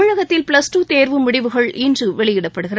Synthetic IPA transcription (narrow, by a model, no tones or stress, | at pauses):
ɻɐɣɐt̪ːɪlpɪlɐsʈuːt̪eːɾʋɯmʊɽɪʋɯɣɐɭʔɪndrɯʋɛɭɪjɪɽɐpːɐɽɯɣɪr